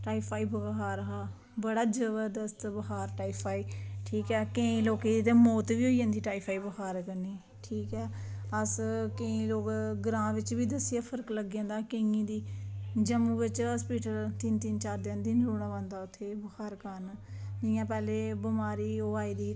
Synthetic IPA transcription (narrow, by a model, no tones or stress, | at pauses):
ʈaːipʰaːiːbəɡɦaːɾɦaː | bəɽaːd͡ʒəʋəɾd̪əst̪bəɦaːɾʈaːiːpʰaːiːʈʰiːkɛːkə̃ĩːloːkeːd̪it̪eːmɔːt̪ʋiːɦoːiːd͡ʒãːnd̪iːʈaːiːpʰaːiːbəɦaːɾkəniː | ʈʰiːkɛːəskəĩːloːkɡɾãːʋɪt͡ʃʋiːd̪əsːijaːpʰəɾkləɡãːnd̪aːkẽŋĩːd̪iːd͡ʒəmũːʋɪt͡ʃəspiːʈəlt̪ɪnt̪ɪnt͡ʃaːɾd̪eːnd̪iːnɾuːɳãːʋãːnd̪aːʊt̪ʰːeːbəhaːɾkəɾnd͡ʒɪjãːpɛːleːbəmaːɾiːoːaːiːd̪iː